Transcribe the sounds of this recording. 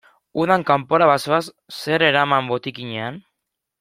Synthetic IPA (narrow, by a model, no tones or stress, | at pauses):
uðaŋkampoɾaβasoas | se̞ɾe̞ɾamambo̞t̪ikiɲean